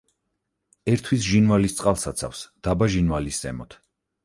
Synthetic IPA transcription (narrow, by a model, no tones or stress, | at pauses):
ɛɾt̪ʰwisʒinvalist̪sʼqʼalˠsat̪sʰa̰fsd̪̥abaʒinvalisdz̥ɛ̰mɔt̪ʰ